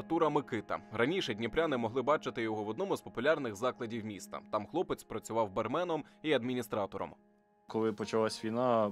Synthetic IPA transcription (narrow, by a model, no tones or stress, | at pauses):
t̪uɾɐmɪkɪt̪ɐ̰ɾɐnʲiʃɛdʲnʲipɾʲanɪmɔɦlˠɪbɑt͡ʃɪt̪ɪjɔɦɔwɔd̪nɔmʊzpɔpʊlʲɑrnɪɣzɑklˠɐdʲiwmʲist̪ɐ̰t̪ɑmxlˠɔpet͡sʲpɾɐt͡sʲʊʋɑwbermɛnɔmiɐd̪mʲinʲist̪ɾɑt̪ɔɾɔ̰m | kɔlˠɪpɔt͡ʃɐlˠasʲʋʲijnɑ